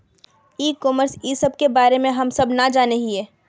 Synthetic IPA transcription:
iːkɔːməɾsisəb̚ʱkebaːɾemẽɦɐmsɐbnad͡ʒaːneɦiɛː

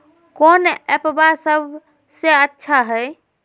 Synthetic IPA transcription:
konɛpbasəb | seətːʃʰaɦəj

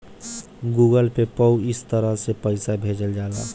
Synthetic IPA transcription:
ɡuːɡəlpepəwɪst̪əɾəɦsepəɪsabʱeːd͡ʒəld͡ʒaːla̰ː

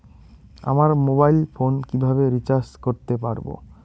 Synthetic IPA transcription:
a̰maɾmobajlfonkibʱabeɾit͡ɕaɾskoɾt̪epaɾbo̰

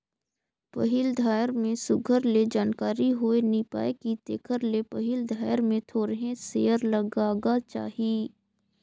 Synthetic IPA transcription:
pɐɦɪld̪ʱaːjəɾmẽsʊɡʱəɾled͡ʒaːnkaːɾiɦoenipa̰ːekit̪ḛːkʰəɾlepɐɦɪld̪ʱaːjəɾmẽt̪ʰoːɾɦẽsḛːəɾləɡaːɡat͡ʃa̰ːɦieː

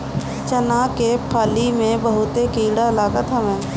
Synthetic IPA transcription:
t͡ʃənaːkepʰaːlimẽbəɦʊt̪ekiːɽalaːɡət̪ɦəʋẽː

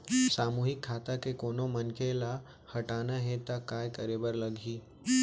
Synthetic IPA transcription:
saːmuːɦɪkʰːaːt̪akekoːnomənkʰela | hɐʈaːnaɦet̪akaːjkəɾeːbəɾləɡʱiː

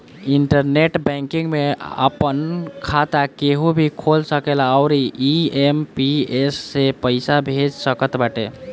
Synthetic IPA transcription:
iɳʈəɾneʈbɛ̃ŋkiŋɡmeə̰pənkʰat̪akeɦubʱikʰolsəkeləʊɾiiempiesːepəɪsabʱed͡ʒsəkət̪baʈe

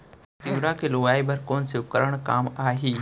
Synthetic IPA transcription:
t̪ɪʋɾakelʊʋaːibɐɾkoːnsiʊkəɾəɽ̃kaːmaːɦiː

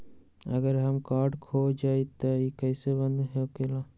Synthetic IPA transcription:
ə̰ɡəɾɦəmkaːɾɖkʰod͡ʒait̪ɔikəɪsebə̃nɦekelã

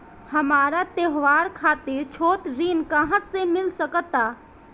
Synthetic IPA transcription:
həmaːɾat̪eɦʋaːɾkʰaːt̪ɪɾt͡ʃʰoːt̪ɾiːnkəɦãsemɪlsəkət̪aː

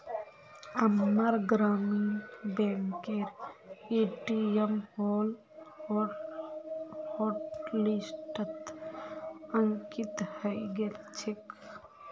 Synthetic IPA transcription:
əmːəɾɡɾaːminbẽŋkeɾeʈiemhoːl | ɔɾ | hoʈlisʈət̪ | əŋkit̪həjɡelt͡ʃʰek

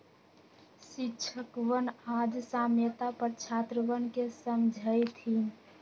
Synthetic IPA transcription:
ʃɪtːt͡ʃʰəkʋənad͡ʒsaːmjət̪apəɾt͡ʃʰat̪ɾəʋənkesəmd͡ʒʱəjt̪ʰi

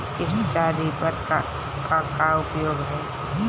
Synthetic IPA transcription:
ɪɦit͡ʃaːɾipɐɾk | kakaʊpjoːɡɦɛː | d̪ʱi

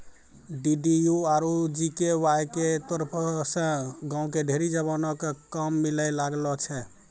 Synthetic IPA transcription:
ɖiɖijuaɾud͡ʒikewajket̪ɔɾpʰɔsə̃ɡãũkeɖʱeɾid͡ʒəβanɔkkəmːilɛlaɡlɔt͡ʃʰɛ

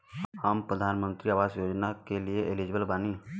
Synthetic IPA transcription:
həmpɾəd̪ʱaːnmə̃nt̪ɾiaːʋaːzjoːd͡ʒnakelieʔɪlid͡ʒbəlbaːni

